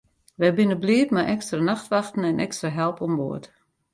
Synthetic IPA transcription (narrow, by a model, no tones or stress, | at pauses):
ʋɛjbɪnəbliətmɛʔɛkstranaxtʋaxtn̩ɛnʔɛkstraɦɛlˠpɔmʋoət